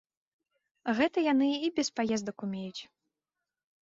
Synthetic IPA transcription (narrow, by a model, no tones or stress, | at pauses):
ɣɛt̪ɐjanɨibʲɛspajɛzd̪ɐkumʲejut͡sʲ